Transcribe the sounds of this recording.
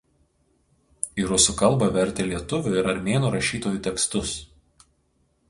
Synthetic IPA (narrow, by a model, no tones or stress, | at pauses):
iɾʊsʊkɐlˠˑbɐʋʲɛɾʲt̪ʲeːlʲiɛt̪ʊʋʲʊɪɾɐɾʲmʲeːnuːɾɐʃʲiːt̪oːjuːˑt̪ʲɛkst̪ʊs